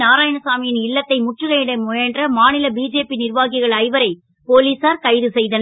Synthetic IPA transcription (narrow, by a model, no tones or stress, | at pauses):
naːɾaːjɐnɐsaːmɪjɪnɪɭːɐt̪ːɐɪmʊʈrɯɣɐɪɽɐɪmʊjɐndrɐmaːnɪlɐbiːd͡ʒeːpinɪrʋaːɣɪɣɐɭɐɪʋɐɾɐɪ | poːliːsaːɾkɐɪðɯsɛjðɐn